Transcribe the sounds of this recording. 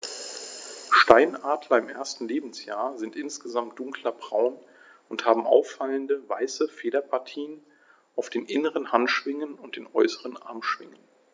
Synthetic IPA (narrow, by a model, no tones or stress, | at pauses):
ʃtaɪnʔaːtlɐɪmʔḛːɐstn̩leːbm̩sja̰ːɐzɪntʔɪnsɡ̥əzamt̚d̥ʊŋklɐbʁaʊn | ʊnthaːbm̩ʔa̰ʊfːaləndəvaɪsəfeːdɐpʰaɐtʰiːən | ʔaʊfd̥eːnʔɪnəʁənhantʃv̥ɪŋənʊnt̚d̥eːnʔɔʏsəʁənʔa̰ɐmʃv̥ɪŋən